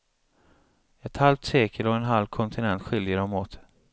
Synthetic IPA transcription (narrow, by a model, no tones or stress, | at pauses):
ɛt̪halft̪seːkʰəlɔɛnɦalvkʰɔnt̪ʰɪnɛnt̪ɧɪljəɾɔmoːt̪